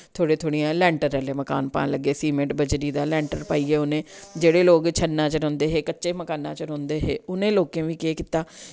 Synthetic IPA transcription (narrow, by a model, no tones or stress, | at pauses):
t̪ʰoːɽeːt̪ʰoːɽiãːlɛ̃ːɳʈəɾːɛːleːməka̰ːnpa̰ːnləɡːeːsiːmẽːɳʈbəd͡ʒɾiːd̪aːlɛ̃ːɳʈəɾpaːiːɛːʊnẽːd͡ʒeːɽeːloːkt͡ʃʰənːãːt͡ʃɾɔ̃ːnd̪eːɦeːkətːʃeːməkaːnːã̰ːt͡ʃɾõːnd̪eːɦeːʊnẽːloːkẽːʋiːkeːkɪt̪aː